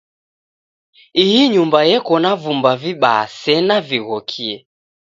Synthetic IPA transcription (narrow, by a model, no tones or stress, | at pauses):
iiɲumbajɛkɔnavumbaviɓaa̰sɛnaviɣɔkʰiɛ